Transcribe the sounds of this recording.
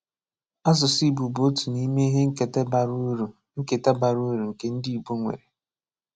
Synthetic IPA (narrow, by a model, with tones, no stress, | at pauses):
a˦zʊ˨si˦˨bu˨bo˦tu˨ni˦me˦ɦe˦ŋ̩˦ke˨te˦ba˨ɾu˦ɾu˨ | ŋ̩˦ke˨ta˦ba˨ɾu˦˨ɾu˨ŋ̩˨ke˦n̩˦di˦i˨bu˦ŋʷḛ˨ɾe˨